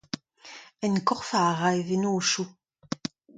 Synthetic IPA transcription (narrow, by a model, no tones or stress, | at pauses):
ɛnkɔʁfaʁajðɪnoʃu